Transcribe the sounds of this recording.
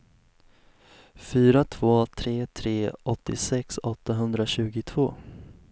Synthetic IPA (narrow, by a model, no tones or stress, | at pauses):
fyːɾat̪ʰv̥oːt̪ʰɾeːt̪ʰɾeːɔt̪ːɪsɛksɔt̪ːaɦɵnd̪ɾaɕʉ̟ːɡʊt̪ʰv̥oː